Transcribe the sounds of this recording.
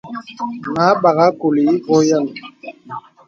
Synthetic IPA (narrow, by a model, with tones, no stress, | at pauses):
ŋa˨˦ba˨ɣa˦ko˨li˨i˦kɔ˦ja˦ni˨